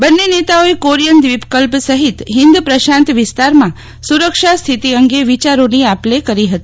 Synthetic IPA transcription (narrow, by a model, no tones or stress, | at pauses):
bənːenet̪aoekoɾijənd̪ʋipkəlpsəɦit̪ɦɪ̃nd̪upɾəʃãnt̪ʋɪst̪aɾmã | suɾəkʃast̪ʰit̪iəŋɡeʋit͡ʃaɾoniaplekəɾiɦət̪i̥